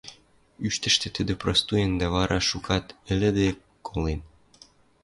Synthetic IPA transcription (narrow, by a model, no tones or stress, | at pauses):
yʃt̪ə̆ʃt̪ĕt̪əd̪ĕprost̪ujend̪ɑβɑɾʔɑʃukʰɑt̪ɘ̆lɘ̆d̪e | kʰolen